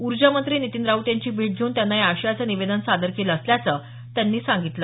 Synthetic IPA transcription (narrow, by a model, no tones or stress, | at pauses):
uɾd͡ʑamənt̪ɾiːnit̪ind̪ɾaut̪jaɲt͡ɕiːbʱeʈ̚d͡ʑʱeːnt̪janːaɦiaɕjat͡səniʋed̪ənsad̪əɾkeləːsljat͡sə | t̪janːiːsãŋɡit̪lə